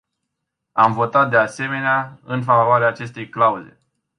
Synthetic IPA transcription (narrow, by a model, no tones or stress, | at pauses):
amvo̞t̪at̪̚d̪e̞ase̞me̞neaɨnfavoaɾeaːt͡ʃe̞st̪e̞jklauze̞̰